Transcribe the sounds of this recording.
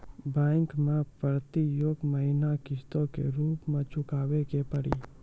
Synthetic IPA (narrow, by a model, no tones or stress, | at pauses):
bɛ̃ːŋkmẽpəɾt̪ijoːɡməɦɪnakɪst̪õkḛɾuːpmẽt͡ʃʊkaːʋekepəɽḭ